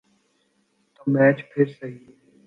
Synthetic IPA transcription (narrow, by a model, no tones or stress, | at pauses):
t̪oːmɛːt͡ʃpʰɪɾsəɦiː